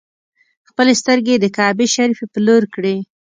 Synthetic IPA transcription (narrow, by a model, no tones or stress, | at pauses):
xpəlest̪əɾɡed̪əkɑbeʃaɾifepəloɾkɽe